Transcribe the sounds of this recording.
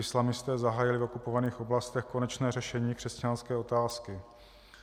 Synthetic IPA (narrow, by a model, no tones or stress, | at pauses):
ɪslamɪst̪ɛːzaɦaːjɪlɪvo̞kupo̞vaniːxo̞blast̪ɛxko̞nɛt͡ʃnɛːrɛʃɛɲiːkr̥ɛscanskɛːo̞t̪aːskɪ